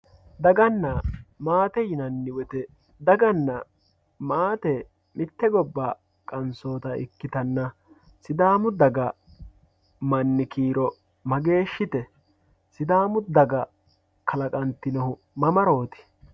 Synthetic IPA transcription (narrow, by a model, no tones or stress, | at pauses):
d̪ɐɡɐnːɐmaːt̪ɛjɪnɐnːɪwɛt̪ɛ | d̪ɐɡɐnːɐ | maːt̪ɛ | mɪt̪ːɛɡɔbːaː | kʼɐnso̞ːt̪ɐʔɪ̰kːɪt̪ɐnːɐ | sɪd̪aːmʊd̪ɐɡɐ | mɐnːɪkiːɾɔ | mɐɡe̞ːʃːɪt̪ɛ | sɪd̪aːmʊd̪ɐɡɐ | kʰɐlɐkʼɐnt̪ɪnɐhʊ | mɐmɐɾo̞ːt̪ɪ̥